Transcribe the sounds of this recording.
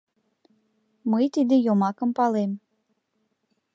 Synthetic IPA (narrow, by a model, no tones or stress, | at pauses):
məjt̪id̪ejomɑkəmpɑlem